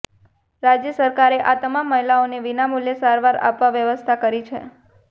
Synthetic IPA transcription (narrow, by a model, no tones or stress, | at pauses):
ɾad͡ʒjəsəɾkaɾeʔat̪əmamːəɦilaoneʋinamuljəsaɾʋaɾa̰pʋaʋjəʋəst̪ʰakəɾit͡ʃʰḛ